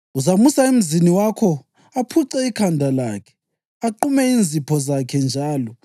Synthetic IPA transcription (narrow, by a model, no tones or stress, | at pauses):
uzamusaem̩ziniwakʰɔ | apʰuǀɛikʰandʱala̰kʰɛ̥ | aǃumɛind͡zʱipʰɔzakʰɛnd͡ʒʱaːlɔ